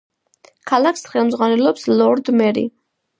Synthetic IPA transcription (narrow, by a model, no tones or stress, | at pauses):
kʰalaksχɛlˠmdzʁwanɛlɔpslɔɾd̪mɛɾḭ